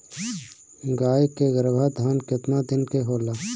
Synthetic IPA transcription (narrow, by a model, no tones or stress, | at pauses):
ɡaːkeɡəɾəbʱad̪ʱaːnkɪt̪nad̪ɪnkeɦoːlaː